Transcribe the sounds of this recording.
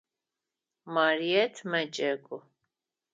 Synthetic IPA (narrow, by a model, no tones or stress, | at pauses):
maɾiɛt̪ʰmɛt͡ʃʼɛɡʼu